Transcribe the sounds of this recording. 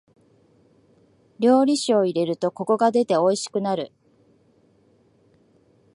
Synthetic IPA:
ɾʲo̞ːɾʲiɕio̞iɾe̞ɾɯ̟t̪o̞ko̞ko̞ɡad̪e̞t̪e̞o̞iɕi̥kɯ̟naɾɯ̟̰

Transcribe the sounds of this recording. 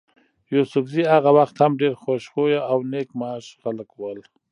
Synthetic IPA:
jusʊfziaɣawaxt̪hamɖeɾxoʃxojaawnekmaːʃxaləkwəl

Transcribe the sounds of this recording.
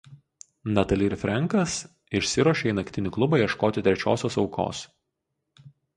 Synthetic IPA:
nɐt̪ɐlʲiːɾʲfʲɾʲɛŋˑkɐs | ɪʃʲsʲɪɾuɔʃʲeiːnɐkʲt̪ʲɪnʲɪklˠʊbɐjɛʃkoːt̪ʲɪt̪ʲɾʲɛt͡ʃʲo̰ːsʲoːsɒʊkʰo̰ːs

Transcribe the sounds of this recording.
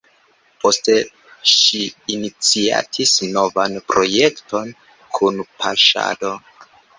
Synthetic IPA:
po̞ste̞ | ʃiinit͡sia̰tʰisno̞vanpɾo̞je̞kto̞n | kʰunpʰaʃa̰do̞

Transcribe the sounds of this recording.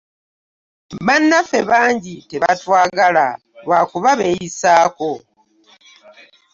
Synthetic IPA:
βanːafe̞βaːɲɟite̞βatwaːɡala | βwaːkuβaβe̞ːjisaːko̞

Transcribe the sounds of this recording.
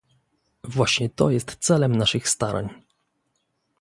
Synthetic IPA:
vwaɕɲɛt̪ɔ̰jɛst̪t̪sɛlɛmnaʂɘxst̪aɾʔa̰ɲ

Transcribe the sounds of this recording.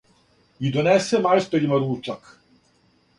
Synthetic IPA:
id̪onɛsɛmajst̪ɛɾʲimaɾuːt͡ʂak

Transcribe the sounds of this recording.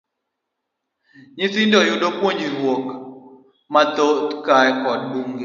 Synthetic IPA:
ɲiθindɔjudopwoɲiɾwok | matotkaɛkɔd̚buŋɡi

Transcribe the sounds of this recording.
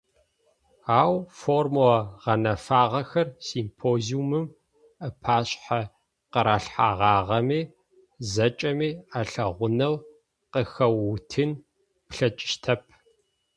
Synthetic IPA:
aːwformwɐʁɐnɐfaːʁɐxɐrsiːmpʰoːziumɨm | əpʰaːɕʼħa | qəɾaːɬħaːʁɑːʁɐmiː | zɐt͡ʃʼɐmiːaɬɐʁʷʊnɐw | qəxɐwːʊtʰɨn | pɬɐt͡ʃʼɪ̥ʃtʰɐp̚ʰ

